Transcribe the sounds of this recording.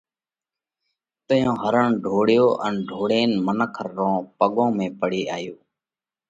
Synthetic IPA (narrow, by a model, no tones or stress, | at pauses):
t̪əjõːɦəɾəɳɖʱoːɽjoːʔənɖʱoːɽeːnmənəkʰəɾːõːpəɠõːmẽːpəɽeːaːjoː